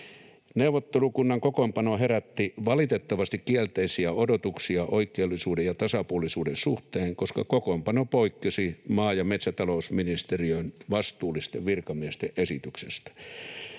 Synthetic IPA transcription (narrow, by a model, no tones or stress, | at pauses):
neuʋˑot̪ːelukunːɑŋkokompɑnoheræt̪ːiʋɑlit̪et̪ːɑʋɑst̪ikkiælt̪eisiæodot̪uksiɑʔoikːˑeulːˑisuːdejɑt̪ɑsɑpuolˑisuːdensuht̪eːŋkoskɑkokompɑnopoikːesimɑːjɑmet̪sæt̪ɑlousminist̪eriønʋɑst̪uːlːist̪eʋʋirkɑmiest̪eʔʔesit̪yksest̪æ̥